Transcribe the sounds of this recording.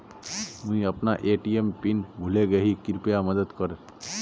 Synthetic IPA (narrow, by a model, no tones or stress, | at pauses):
mũĩəpnaʔeːʈiempinɡʱuleɡəɦikɪɾpjaməd̪əd̪kəɾ